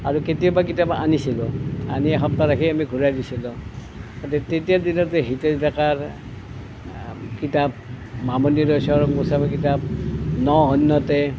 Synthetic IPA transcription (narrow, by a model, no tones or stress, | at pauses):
aɹuketijɔbakitapa̰nisilʊa̰niɛxɔp̚taɾakʰiamiɡʱuɹajdisilɔ | ɔtɛtetijadinɔteɦitɛzdakaɹ | kitap̚ | mamɔniɾɔsɔɹɔkmusamɛk̬itap̚nɔɦɔnːɔtɛ